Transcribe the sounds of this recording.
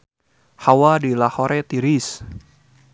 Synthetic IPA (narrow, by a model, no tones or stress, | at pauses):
hawadilahoɾʔɛt̪iɾis